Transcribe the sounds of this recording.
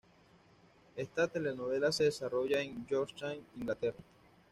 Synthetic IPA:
e̞st̪at̪e̞le̞no̞βe̞lase̞ðesaro̞ʝaend͡ʒoɾt͡ʃaŋiŋɡlat̪e̞ra

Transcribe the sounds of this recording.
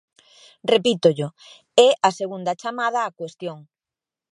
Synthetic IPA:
repit̪oʎʊ | ɛʔaseɣund̪ɐt͡ʃamað̞ɐːkwest̪joŋ

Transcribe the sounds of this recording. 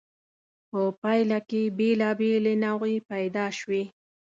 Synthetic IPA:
pəpajlakebelɑbelenawɣepajd̪ɑʃwi

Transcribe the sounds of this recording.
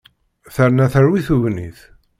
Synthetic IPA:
θəɾnæθəɾwiθuvniθ

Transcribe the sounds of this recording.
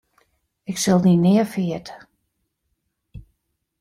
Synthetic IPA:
ɪksɪlˠdinɪːəfiətə̥

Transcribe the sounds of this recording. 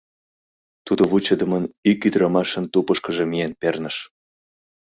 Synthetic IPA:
t̪ud̪oβut͡ɕəd̪əmənykyd̪ɾɑmɑʃə̆nt̪upəʃkə̆ʒemijenpernəʃ

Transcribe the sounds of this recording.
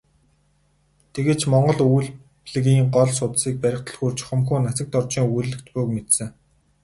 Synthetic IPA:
t̪ʰeɣeːt͡ɕmɔɴɢɞ̆ɮujɮ | pɮɣiːŋɢɔɮsʊt̪siːk̚pæɾʲɪ̆χt̪ʰə̆ɮxuːrt͡ɕχɵmxuːnːat͡sə̆k̚t̪ɔrt͡ɕiːŋuɮːɘ̆k̚t̪pujkmet̪sɘ̆ŋ

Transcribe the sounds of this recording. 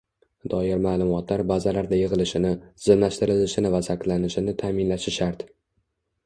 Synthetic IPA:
d̪̥ɒjɪɾmaːlˠʊmɒt̪laɾbazalaɾd̪ajɨʁɨlɪʃɪnɪz̥ɪmlaʃt̪ɪɾɪlɪʃɪnɪvasakʲlanɪʃɪnɪt̪ʰamɪnlaʃɪʃaɾt̪

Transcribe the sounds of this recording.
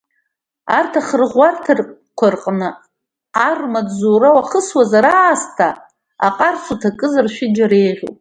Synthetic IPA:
artʰaχərʁʷartʰɨrkʷʰʊrqʼnɨ | armadzoːrawaχəswazaɾaːstʰa | a̰qʼarsʰutʰakʼɨzarʃᶣɪd͡ʒaɾejʁʲo̰pʼ

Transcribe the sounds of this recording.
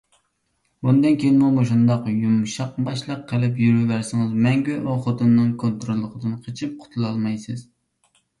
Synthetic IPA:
bund̪ɨnkʲʰejinmumoʃ̬und̪ɑqjumʃɑq̚bɑʃlˠɑqʰːəlɪp̬jyɾywæɾsɪŋɨzmɛŋɡʲyɑχot̪ɨnːɨŋkʰont̪ɾolˠːəqʰəd̪ɨnqʰət͡ʃʰip̚qʰʊ̥t̪ʰulˠɑlˠmɑjsɨz̥

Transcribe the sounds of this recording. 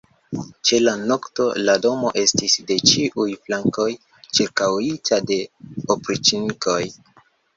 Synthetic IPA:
t͡ʃe̞lano̞kto̞lado̞mo̞ʔe̞stisde̞t͡ʃiʔujflaŋko̞j | t͡ʃiɾkawitʰade̞opɾit͡ʃiniko̞j

